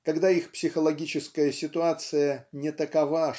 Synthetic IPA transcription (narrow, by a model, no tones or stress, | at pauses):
kɐɡd̪aixpsʲɪxəlˠɐɡʲit͡ɕɪskəjəsʲɪt̪ʊat̪sɨjənʲɪt̪əkɐva